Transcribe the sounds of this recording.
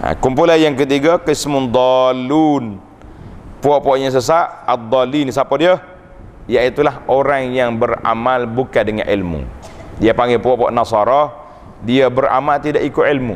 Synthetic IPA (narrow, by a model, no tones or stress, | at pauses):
a̰kumpulanjaŋk̬ət̪̬iɡakəismʊnd̪ˤɔlun | puɔʔpɔʔɲas̬əs̬aʔad̪ˤːɔlinisapadiə | jaʔit̪ulaɦoɾaŋjaŋbəɾa̰malbukadəŋa̰nḭlmṵdiapaŋɡepuɔʔpa̰ʔnasɑɾɔ | diabəɾa̰malt̪idaʔikʊʔilmṵ